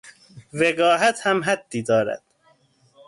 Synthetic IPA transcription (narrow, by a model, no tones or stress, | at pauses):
veɡɒːɦæt̪hæmɦæd̪ːiːd̪ɒːɾæ̰d̪̥